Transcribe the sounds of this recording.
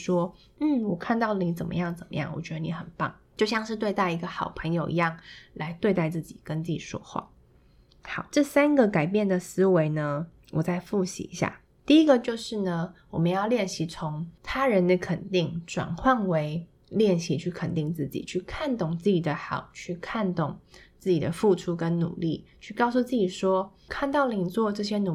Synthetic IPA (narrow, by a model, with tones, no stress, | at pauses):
ʂwɔ˥ | n̩˥˩wɔ˨˩kʰa˥˧nt̪ɑ˥˩ʊ˨˩ni˧˥t͡sə˨˩mə̰˦jɑ˥˩ŋt͡sə˨˩mə̰˦jɑ˥˩ŋwɔ̰˨˩t͡ɕɥɛ˧˥d̪ə˧ni˧˥xə˨˩npɑ̰˥˩ŋt͡ɕjo˥˧ʊɕjɑ˥˧ŋʂɻ̩˥˧t̪we˥˧ɪt̪a˥˩ɪi˧˥ɡə˧xɑ˨˩ʊpʰɤ˧˥ŋjo˨˩ʊʔḭ˧jɑ˥˩ŋla˧˥ɪt̪we˥˧ɪt̪a˥˧ɪt͡sɹ̩˥˩t͡ɕi˨˩kə˥nt͡s̩˥˩t͡ɕḭ˨˩ʂwɔ̰˥xwa̰˥˩ | xɑ˨˩˦ʊʈ͡ʂɤ˥˩sa˥nɡə˨ka˨˩ɪpjɛ˥˩nd̪ə˩sɹ̩˥we˧˥ɪnə˧ | wʔɔ̰˨˩t͡sa˥˧ɪfu˥˩ɕḭ˧˥ḭ˧˥ɕja̰˥˩ | t̪i˥˩i˧˥ɡə˨t͡ɕjo˥˧ʊʂɻ̩˥˩nə˩wɔ˨˩mə˦njɑ˥˧ʊljɛ˥˩nɕi˧˥t͡sʰʊ˧˥ŋt̪ʰa˥ɻə˧˥nlə˧kʰə˨˩nt̪i˥˩ŋʈ͡ʂwa̰˨˩nkʰwa˥˩nwe˧˥ɪ | ljɛ˥˩nɕi˧˥t͡ɕʰy˥˩kʰə˨˩nt̪i˥˧ŋt͡sɹ̩˥˩t͡ɕḭ˨˩t͡ɕʰy˥˩kʰa˥˧nt̪ʊ˥˩ŋt͡sɹ̩˥˩t͡ɕi˨˩d̪ə˦xɑ˨˩ʊt͡ɕʰy˥˧kʰa˥˧nt̪ʊ˥˩ŋt͡sɹ̩˥˩t͡ɕi˨˩d̪ə˦fu˥˩ʈ͡ʂʰu˥kə˦˥nnṵ˨˩li˥˩t͡ɕʰy˥˧kɑ˥˧ʊsu˥˧t͡sɹ̩˥˩t͡ɕi˨˩ʂwɔ˥ | kʰa˥˧nt̪ɑ˥˩ʊli˧˨˩t͡swɔ˥˧ʈ͡ʂɤ˥˩ɕ̬jɛ˥nu˨˩